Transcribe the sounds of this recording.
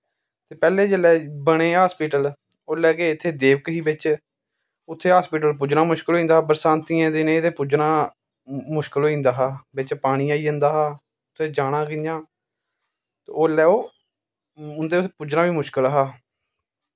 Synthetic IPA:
t̪eːpɛːleːd͡ʒəlɛːbəɽ̃ẽːɦaːspiːʈəl | oːlɛːkeːɪt̪ʰːeːd̪eːʋəkɦiːbɪt͡ʃ | ʊt̪ʰːeːɦaːspiːʈ̬əlp̬ʊd͡ʒnaːmʊʃkəloːĩːnd̪aːbəɾsãːnt̪iːãːd̪enẽːd̪eːpud͡ʒnãː | mʊʃkəloːĩːnd̪aːɦaːbɪt͡ʃpaːɽ̃ĩːaːiːɦə̃nd̪aːɦaː | ʊt̪ʰːeːd͡ʒaːɽ̃ãːɡɪjãː | t̪ːoːlɛːoː | ʊnd̪eːpud͡ʒnãːbiːmʊʃkəlɦaː

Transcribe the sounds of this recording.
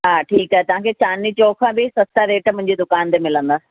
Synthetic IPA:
ɦaːʈʰiːkəɦɛt̪ɐʋ̤ãːkʰet͡ɕaːnit͡ɕoːkʰãːbɪsɐst̪aɾeːʈmʊ̃ɦɪ̃ɲd͡ʑid̪ʊkaːnt̪emɪlə̃nd̪aː

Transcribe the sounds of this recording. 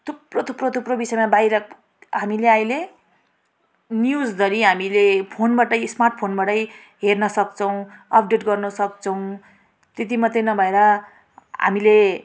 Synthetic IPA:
t̪ʰuprot̪ʰuprot̪ʰuprobisʌjmabajɾʌ | ɦamileajle | njud͡zd̪ʌɾiɦamilepʰonbaʈʌjsmarʈ̚pʰonbaʈʌj | ɦernʌsʌkt͡sʰʌw̃ʌp̚ʰɖeʈɡʌrnʌsʌkt͡sʰʌw̃ | t̪et̪̬imʌt̪ʌjnʌbʱʌeɾʌ | ɦa̰mile

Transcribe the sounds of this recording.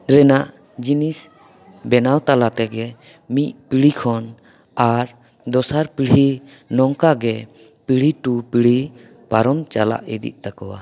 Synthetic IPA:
ɾɛnaʔ | d͡ʒinis | bɛnawt̪alat̪ɛɡɛ | mit̪̚piɽ̤ikʰɔn | aɾ | d̪ɔsaɾpiɽ̤i | nɔŋkaɡɛ | piɽ̤iʈupiɽ̤i | paɾɔmt͡ʃala̰ʔid̪ḭʔ̚t̪akɔwa̰

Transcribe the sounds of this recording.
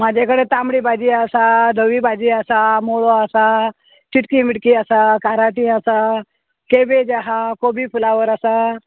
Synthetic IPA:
mad͡ʑʱekəɽet̪amɽiːbʱad͡ʑiːasad̪ʱəʋibʱad͡ʑiːasamoɭoasa | t͡ɕiʈkimiʈkiasakaɾaʈĩasa | kebed͡ʒaɦakobipʰulaʋəɾasa

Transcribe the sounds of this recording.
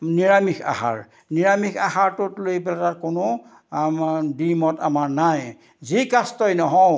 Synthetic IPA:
niɹamikʰa̰ha̰ɹ | niɹamikʰahaɹtʊtlojpɛlatakʊnʊ | dimɔtamaɹnaj | zikastɔjnɔɦɔ

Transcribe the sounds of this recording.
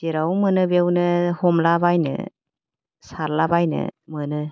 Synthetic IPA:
diɾawmɯnɯbewnɯhɔmlabajnɯ̰ | saɾlabajnɯ̰mɯnɯ

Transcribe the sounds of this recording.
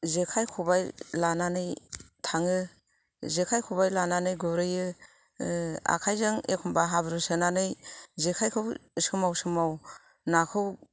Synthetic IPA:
zekʰajkʰubajlananɯjtʰaŋɯ | zekʰajkʰubajlananɯjɡɔɾɯjɯ | a̰kʰajzɯŋekʰɔmbaɦabɾɯsɯnanɯjzekʰajkʰɯwsɯmawsɯmaw | nakʰɯw

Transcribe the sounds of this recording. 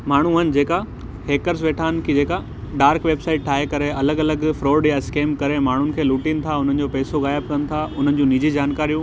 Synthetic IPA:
maːɳ̤uənɪ̆d͡ʑeːka | heːkəɾsʋeːʈʰaːnɪ̆kʰid͡ʑeːka | ɖaːɾkʋeːbsaːɪʈʈʰaːɦekɐɾeɐləɡɐləɡfɾoːɖjaɪskeːmkɐɾemaːɳ̤ʊnɪ̆kʰeːluːʈinɪ̆t̪ʰaʊn̤ənɪ̆d͡ʑopɛːsoɣaːjəb̚kɐnɪ̆t̪ʰaʊn̤ənɪ̆d͡ʑũnid͡ʑid͡ʑaːnkaːɾijũ

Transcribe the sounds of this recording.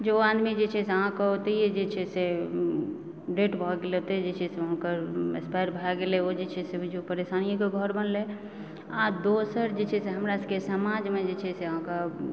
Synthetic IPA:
d͡ʒoãd̪mid͡ʒet͡ʃʰɛseəɦãkɔot̪ejed͡ʒet͡ʃʰɛse | ɖeʈbʱɔɡeleot̪ed͡ʒet͡ʃʰɛseɦʊnkəɾḛspajɾbʱaɡeleod͡ʒet͡ʃʰɛsed͡ʒopəɾesanijokeɡʱɔɾbənle | ad̪osəɾd͡ʒet͡ʃʰɛseɦəmɾaskesəmad͡ʒmed͡ʒet͡ʃʰɛseəɦãka

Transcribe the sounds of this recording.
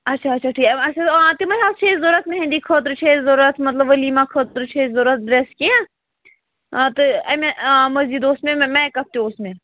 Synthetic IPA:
ɐtːʃʰaɐtːʃʰaʈʰiːkɐt͡ʃʰat̪imɐɦaːst͡ʃʰezoɾɐt̪nɐɦẽnd̪ikʰət̪ɾɨt͡ʃʰezoɾɐt̪ʰmɐt̪ləbəliːmãkʰət̪ɾt͡ʃʰezoɾɐt̪̚ɖɾeskiã | t̪ɨɐmemɐziːd̪oːsmẽmɛ̃ːkɐp̚t̪iosmẽ

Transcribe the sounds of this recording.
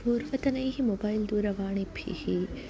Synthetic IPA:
puːɾʋɐt̪ɐnɐjɦimobɐjld̪uːɾɐʋaːɳibʱʰḭhi

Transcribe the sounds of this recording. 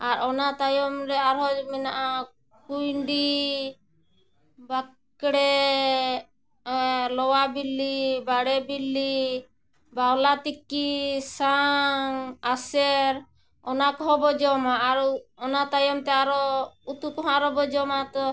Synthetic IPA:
aɾɔnat̪ajɔmɾɛaɾɦɔmɛnaʔa | kujɳɖi | ba | kɽɛ | lɔwabilːibaɽɛbilːi | bawlat̪ikːisaŋasɛɾ | ɔnakɔɦɔ̃bɔd͡ʒɔmaʔaɾɔnat̪ajɔmt̪ɛaɾɔut̪ukɔɦãɾɔbɔd͡ʒɔmat̪ɔ

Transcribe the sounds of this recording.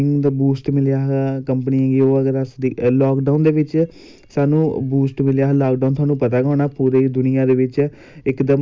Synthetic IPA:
ɪŋɡd̪abuːsʈmɪlɪjaːɦaːkəmpəniːɛ̃ːɡioːəɡəɾasd̪iːlaːkɖaːʊnd̪eːʋɪt͡ʃ | saːnũːbuːsʈmɪljaːɦlaːkɖaːnt̪ʰwaːnũːpət̪aːɡaːɳaːpuːɾeːd̪ʊnɪjãːd̪eːʋɪt͡ʃ | ɪkd̪əm

